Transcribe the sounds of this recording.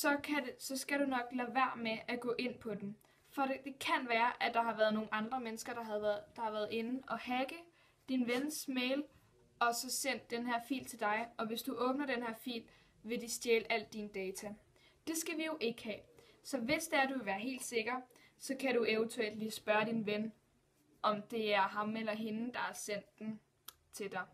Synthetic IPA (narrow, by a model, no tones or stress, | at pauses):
sɒ̽kʰæsɒ̽sɡ̥æɾunɒ̽ɡ̥læʋæɐ̰meʔæɡ̥ɔ̰̽ːʔe̝n̰pʰɒ̽d̥em | fɒ̽ed̥e̝kʰænʋæːɐʔæd̥ɑ̈ɦɑ̈ʋæɐðˠno̝ːŋn̩ɑ̈nd̥ʁɐmenəsɡ̥ɐd̥ɑd̥ɑ̈hɑ̈ʋæːɐð̞̩ˠe̝nn̩ʔɒ̽hæɡ̥ə | d̥inʋensmeːɪl | ɒ̽sɒ̽sen̰d̥ːenɦæɐ̰fḭːlt͡sʰe̝ld̥ɑ̈ɪɒ̽ʋe̝sd̥uʔɔ̽ːb̥nɐd̥enhæɐ̰fḭːl | ʋe̝d̥isd̥jeːləʔæl̰d̥ind̥ɛːt͡sʰæ | d̥e̝sɡ̥æʋijo̝ʔe̝ɡ̥əhɛ̰ːsɒ̽ʋe̝sd̥eæɐd̥uʋeʋæːɐɦe̝̰ːld̥se̝ɡ̥ɐ | sɒ̽kʰæɾuʔeʊənt͡sʰuel̰d̥liːsb̥ɶɐd̥inʋen | ʔɒ̽md̥e̝æɐɦɑ̈melɐɦe̝n̩d̥ɑ̈hæɐsen̰d̥en | t͡sʰe̝d̥ɑ̈ɪ